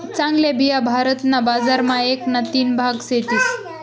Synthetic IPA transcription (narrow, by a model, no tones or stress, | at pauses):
t͡sãŋɡlebijabʱaɾət̪nabad͡zaɾmaeknat̪iːnbʱaɡset̪iːs